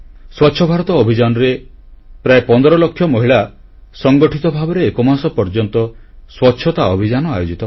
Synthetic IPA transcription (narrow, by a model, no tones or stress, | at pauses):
swɔtːʃʰɔbʱaɾɔt̪ɔːbʱid͡ʒanɔɾe | pɾaepɔnd̪ɔɾɔlokʰːjɔmɔɦiɭa | sɔŋɡɔʈʰit̪ɔbʱabɔɾeːkɔmasɔpɔɾd͡ʒɔnt̪ɔ | swɔtːʃʰɔt̪aɔbʱid͡ʒanɔa̰jod͡ʒit̪ɔ